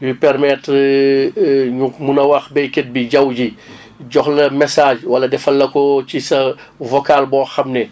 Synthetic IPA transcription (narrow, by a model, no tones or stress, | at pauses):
jupɛɾmɛt | ɲumunɐwɐxbɛjkɛt̚biɟɐwɟi | ɟɔxlɐmɛsaːʒwɐlɐdɛfɐlːɐkɔcisɐ | vɔkalbɔːxɐmnɛ